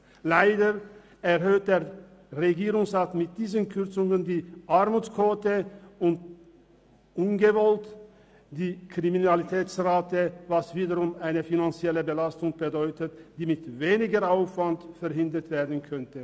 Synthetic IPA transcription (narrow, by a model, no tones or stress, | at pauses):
laɪdə | ɛʁɦøːt̚d̥eːɐʁeɡiːʁʊŋsʁaːtmɪt̚d̥iːzənkʰʏʁt͡sʊŋəndiːʔaʁmuːt͡skv̥oːtəʊnt | ʔʊnɡəvɔlt | d̥iːkʁ̥iminalitʰɛːt͡sʁaːtəvasv̥iːdəʁʊmaɪnəfinant͡sjɛləbəlastʊŋb̥ədɔʏtətd̥iːmɪtveːnɪɡəʁaʊfv̥antfɛɐɦɪndətv̥eːɐdn̩kʰœntə